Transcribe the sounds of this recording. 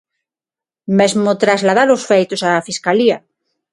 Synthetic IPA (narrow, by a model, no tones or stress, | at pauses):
mezmʊt̪ɾazlað̞aɾosfejt̪osafiskalia